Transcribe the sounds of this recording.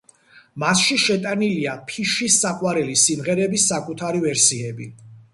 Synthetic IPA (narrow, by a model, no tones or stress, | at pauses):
masʃiʃɛt̪ʼaniliapʰiʃisːaqʼwaɾɛlisimʁɛɾɛbisːakʼut̪ʰaɾivɛɾsiɛbi